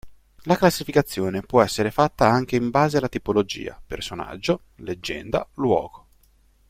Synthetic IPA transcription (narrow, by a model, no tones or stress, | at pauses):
laklasːifikat̪sːjoːnepwɔɛsːeɾefat̪ːaaŋk̟eimbaːzealːat̪ipolod͡ʒḭːa̰persona̰d͡ʒːo | led͡ʒːɛ̰nd̪a̰lwɔ̰ːɡo̥